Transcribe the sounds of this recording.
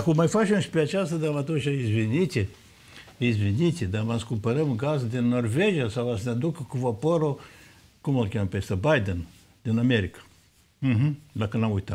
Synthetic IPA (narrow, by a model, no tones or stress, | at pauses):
kumajfaʃemʃpeat͡ʃast̪ad̪amat̪oʃaizvinʲit̪ʲe | izvinʲit̪ʲed̪amanskumpəɾəmɡazd̪ʲinːorveʒijasawasnʲad̪ukəkuvapoɾo | kumalkʲampʲest̪əbajd̪ən | d̪inameɾikḁ | ɦ̩d̪akənamujt̪am